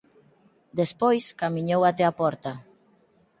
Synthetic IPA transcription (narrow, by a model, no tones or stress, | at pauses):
d̪espojskamiɲowat̪ɛapɔɾt̪a